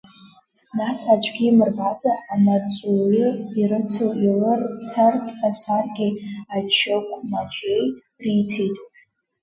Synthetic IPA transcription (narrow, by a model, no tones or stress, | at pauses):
nasat͡ʃʷʰʼɡʲimɨrbapʼaanat͡sʼwɥɪiɾɨt͡sʷʰɨʔilɨrtʰartʼasarɡʲiat͡ʃʰːɨkʷʰʼmat͡ʃʼej | ritʰitʼ